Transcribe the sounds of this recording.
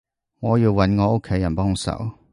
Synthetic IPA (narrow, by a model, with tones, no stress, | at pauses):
ŋɔ˨˧˦ji˧wɐ˨˦nŋɔ˨˧˦ʔo˦˥kʰe˨˧˦jɐ˨˩npɔ˥˩˧ŋ˧˦sɐ̰˨˩˦w